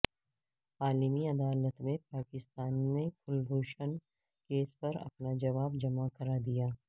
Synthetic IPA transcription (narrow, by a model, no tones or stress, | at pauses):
aːlimiɐd̪aːlət̪mẽpaːkɪst̪aːnmẽfʰʊlbʱuːʃən | keːspɐɾɐ̰pnad͡ʒɐʋaːbd͡ʒɐmakɐɾad̪ijaː